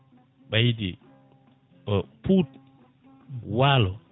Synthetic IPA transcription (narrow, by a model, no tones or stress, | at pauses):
ɓajdi | ɔput | waːlɔ